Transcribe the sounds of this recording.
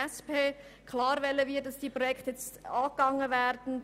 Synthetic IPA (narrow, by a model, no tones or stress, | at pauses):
ɛspeːkʰlɑːɾʋɛlːəʋɪːt̚d̥ɑsd̥iːpʁojɛkʰtjɛt͡stɑːɡ̥ɑŋəvɛːɾd̥n̩